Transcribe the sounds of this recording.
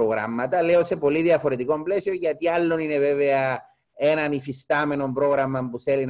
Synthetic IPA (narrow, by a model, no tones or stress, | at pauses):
oɣɾa̰mːɐt̪ɐle̞ose̞po̞liðiɐfo̞ɾe̞t̪iko̞mple̞sio̞ɲʝɐt̪ialːo̞nine̞ve̞ve̞ɐ | e̞nɐnifist̪ɐme̞no̞mpɾo̞ɣɾɐmɐmpuθelin